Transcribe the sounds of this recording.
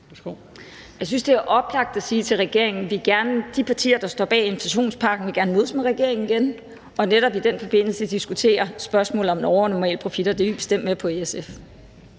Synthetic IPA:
o | jɑ̈ɪsynsd̥e̝æɐʔɒ̽b̥lɑ̈ɡ̥̚d̥æsiːt͡sʰe̝lʁɛɡ̥e̝ɐ̰eŋn̩ʋiɡ̥æɐnəd̥ipʰɑ̈t͡sʰḭːɐd̥ɑ̈sd̥ɒ̰ːb̥ɛ̰ːe̝nflæɕo̝̰ːnspʰɑ̈ːɡ̥n̩ʋe̝ɡæɐnəmo̝ðˠsmeʁɛɡ̥e̝ɐ̰eŋn̩iɡ̥en | ʔɒ̽neɾ̥ɒ̽b̥id̥en̰fɒ̽b̥e̝n̰l̩səd̥isɡ̥ut͡sʰe̝̰ːɐsb̥ɶɐsmɔ̰̽ːlð̩ˠɒ̽mnɒʊɐnɒmɛ̰ːləpʰʁo̝fid̥ɐd̥e̝ʋib̥e̝sd̥em̰d̥mepʰɒ̽eesef

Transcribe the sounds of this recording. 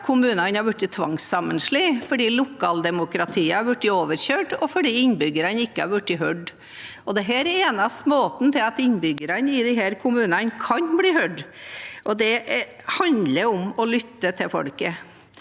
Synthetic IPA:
kʰʊmʉːnɑnhɑɾʋʉʈːɪt̪ʰʋɑŋsːɑmənʂɭifɔɖiːlʊkʰɑːld̪ɛmʊkɾɑt̪ʰiːəɑɾʋʉʈːɪoːʋəɾçøːʈɔfɔɖiːɪnbʏɡəɾɑnəɪkːəɑ̰ɾʋʉʈːɪɦœɖ | ɔd̪ɛɦæːɾɛeːnɑst̪moːt̪n̩t̪ʰɪlɑt̪ɪnbʏɡəɾɑnəɪd̪ɪɦæːɾkʰʊmʉːnɑnkʰɑnbliːhœɖʔɔd̪ɛ | hɑnd̪ləɾɔmɔlʏt̪ːət̪ʰɪlfɔ̰lkə

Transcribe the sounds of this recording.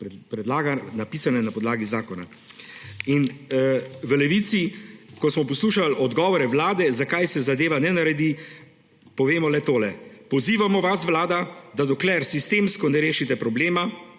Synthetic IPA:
ppɾɛd̪laːɡanapisanɛnapɔd̪laːɡizaːkɔna̰ | in | ʋəlɛʋit̪sikɔsmɔpɔsluːʃalɔd̪ɡɔːʋɔɾɛʋlaːd̪ɛzakajsɛzad̪eːʋanɛnaɾɛd̪i | pɔʋeːmɔlɛt̪oːlɛpɔziːʋamɔʋasʋlaːd̪ad̪ad̪ɔklɛɾsist̪eːmskɔnɛɾeːʃit̪ɛpɾɔbleːma

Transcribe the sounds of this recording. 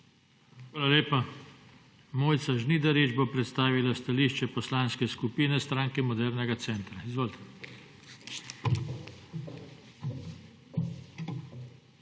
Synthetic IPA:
xʋaːlaleːpa | moːjt̪saʒnid̪aɾed͡ʒbopɾɛt̪st̪aːʋilast̪aliʃt͡ʃɛpɔslanskɛskupiːnɛst̪ɾaːŋkɛmɔd̪ɛɾnɛɡat̪sɛːnt̪ɾaizʋoːlt̪ʰɛ̥

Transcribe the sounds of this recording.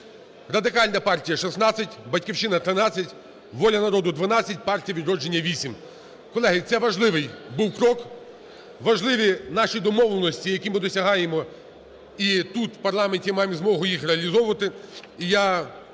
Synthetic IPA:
rɐd̪ɪkɑlʲnɐpɑrtʲijɐʃɪsnɑt͡sʲɐtʲbɐtʲkʲiwʃt͡ʃɪnɐt̪ɾɪnɑt͡sʲːɐtʲ | ʋɔlʲɐnɐɾɔd̪ʊd̪ʋɐnɑt͡sʲːɐtʲpɑrtʲijɐʋʲid̪ɾɔd͡ʒenʲːɐʋʲisʲim | kɔlˠɛɦɪt̪sɛʋɐʒlˠɪʋɪjbuwkɾɔk | ʋɐʒlˠɪʋʲinɑʃʲid̪ɔmɔwlˠenɔsʲtʲijɐkʲimɪd̪ɔsʲɐɦɑjemɔ | it̪ut̪wpɐrlˠɑmenʲtʲimɑjemzmɔɦʊjixɾeɐlʲizɔʋʊʋɐt̪ɪija

